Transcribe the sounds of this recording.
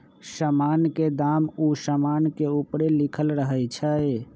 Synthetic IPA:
səmanked̪amusəmankeupɾelikʰəlɾəɦəjt͡ʃʰə

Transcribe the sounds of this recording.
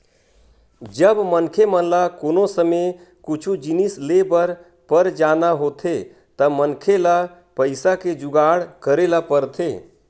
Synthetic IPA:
d͡ʒəbmənkʰemənlakoːnosəme | kʊt͡ʃʰud͡ʒinislebəɾ | pəɾd͡ʒanaɦot̪ʰe | t̪əmənkʰela | pəɪsaked͡ʒʊɡaːɽkəɾelapəɾt̪ʰe

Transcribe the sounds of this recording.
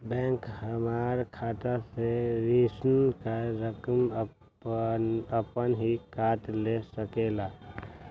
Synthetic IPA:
bɛ̃ːŋkhəmaːɾkʰaːt̪aseɾiːsənkaɾəkəm | əpənɦikaːʈ̪lesəkeːlaː

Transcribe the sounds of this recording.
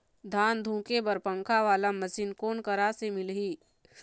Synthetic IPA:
d̪ʱaːnd̪ʱũːkebəɾpə̃ŋkʰaʋaːlamɐsiːnkoːnkəɾasemɪlɦiː

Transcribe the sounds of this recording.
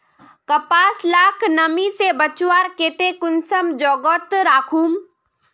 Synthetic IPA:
kɐpaːslaːkʰnɐmisebɐt͡ʃwaːɾkeːt̪ekʊnsəmd͡ʒɔːɡɔːt̪ɾaːkʰuːm

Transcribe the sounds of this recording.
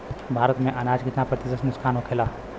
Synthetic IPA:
bʱaːɾət̪mẽʔɐnaːd͡ʒkɪt̪napəɾt̪izəsnʊskʰaːnokʰeːlaː

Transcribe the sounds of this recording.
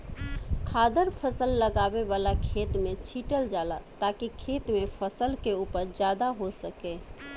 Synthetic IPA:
kʰad̪əɾpʰəsəlːəɡabeβalakʰet̪met͡ʃʰiʈəld͡ʒalat̪akikʰet̪mepʰəsəlkeupəɾd͡ʒad̪aɦosəke

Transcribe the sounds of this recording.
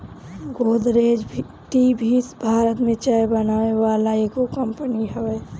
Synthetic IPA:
ɡoːd̪ɾeːd͡ʒ | ʈibʱisbʱaːɾət̪mẽt͡ʃaːebənaːeʋaːlaekokəmpəniɦɛʋeː

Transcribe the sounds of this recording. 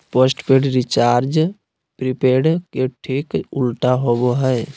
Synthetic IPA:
posʈpeɖɾɪt͡ʃaːɾd͡ʒ | pɾipeːɽkeʈʰiːkʊlʈaɦoboɦɛe

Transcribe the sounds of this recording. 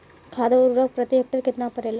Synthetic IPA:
kʰaːd̪ɐʊɾɾɐk̚pɾɐt̪jek̚ʈəɾkɪt̪napɐɾeːla

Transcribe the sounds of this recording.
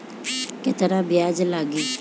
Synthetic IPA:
ket̪əɾabɪjaːd͡ʒlaːɡiː

